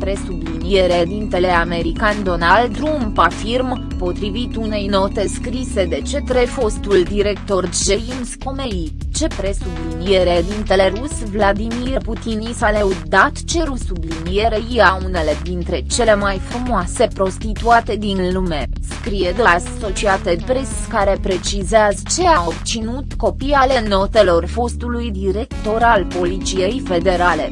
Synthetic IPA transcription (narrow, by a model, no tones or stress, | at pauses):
pɾe̞sublinijeɾed̪int̪e̞le̞ame̞ɾikand̪o̞nalt̪ɾumpafirm | po̞t̪ɾivit̪une̞jno̞t̪e̞skɾise̞d̪e̞t͡ʃe̞t̪ɾefo̞st̪uld̪iɾe̞k̚t̪o̞rʒelimsko̞mei | t͡ʃe̞pɾe̞sublinije̞ɾed̪int̪e̞le̞ɾusvlad̪imiput̪inisaleud̪at̪t͡ʃe̞ɾusublinije̞ɾeiaune̞le̞d̪int̪ɾe̞t͡ʃe̞le̞majfɾumoase̞pɾo̞st̪it̪uat̪e̞d̪inlume̞skɾije̞d̪oaso̞t͡ʃiat̪epɾeskaɾe̞pɾe̞t͡ʃizeazət͡ʃe̞aobt̪sinut̪ko̞pijale̞no̞t̪e̞lo̞rfo̞st̪ulujd̪iɾe̞kt̪o̞ɾalpo̞lit̪sije̞jfe̞d̪e̞ɾale̞